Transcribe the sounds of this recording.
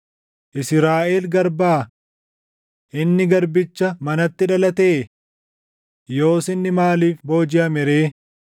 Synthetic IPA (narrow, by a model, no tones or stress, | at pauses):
ʔɪsɾaːʔeːlɡɐɾbaː | ʔɪnːɪɡɐɾbɪt͡ʃːɐmɐnɐt̪ːɪᶑɐlɐt̪eː | jo̞ːsɪnːɪmaːliːfbo̞ːd͡ʒɪɐmɪɾe̞ː